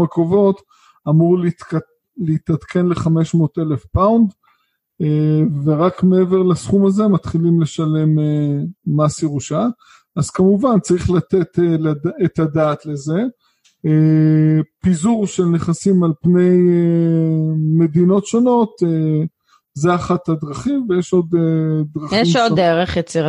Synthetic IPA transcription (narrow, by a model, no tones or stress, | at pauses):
mekovo̞t̪ | amuʁl | leit̪at̪kʰe̞nleχame̞ʃmo̞ːt̪e̞le̞fpawnd̪ | eveʁakmeeveʁlasχumaze̞mat̪χilimle̞ʃale̞meːasiʁuʃa | az̥kamuvant͡saʁiχlat̪et̪eladet̪adaːt̪le̞ze̞ | pizuʁʃe̞lneχasimalpne̞je | me̞d̪ino̞tʃo̞no̞t̪e | zeaχat̪ad̪ʁaχimvejeʃo̞d̪ed̪ʁaχjeimʃoddeʁeχjet͡siʁa